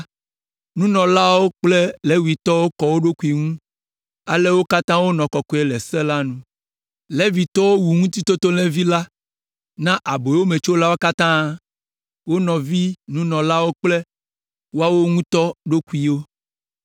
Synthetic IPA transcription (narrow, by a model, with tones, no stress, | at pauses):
nũ˦nɔ̃˨la˦wo˦k͡ple˦le˦wu˨i˨t̪ɔ˦wo˦kɔ˨wo˦ɖo˦ku˨˦i˨ŋũ˦ | a̰˨le˦wo˦ka˦t̪ã˦wo˦nɔ̃˨kɔ˨kɔ˨˦ɛ˨lɛ˨sɛ˦la˦nũ˦ | lɛ˦vi˨t̪ɔ˦wo˦wu˨ŋũ˦t̪i˦t̪o˦t̪o˦lɛ̃˦vi˦la˦ | nã˦ʔa˨bo˨˦wo˦me˨t͡ʃo˦la˦wo˦ka˦t̪ã˦ | wo˦nɔ̃˨vi˦nũ˦nɔ̃˨la˦wo˦k͡plɛ˦ | wo˦a˦wo˦ŋũ˦t̪ɔ˦ɖo˦ku˨i˨wo˦